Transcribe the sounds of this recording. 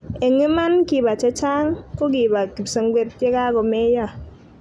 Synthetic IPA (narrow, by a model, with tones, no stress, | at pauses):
e˨ŋi˦ma˦nki˨ba˨t͡ʃe˦t͡ʃa˦ŋko˦ɡi˨ba˨ki˨psɔ˨ŋɡʷwe˦p̚te˦ka˦kɔ˨me˦jɔ˦˨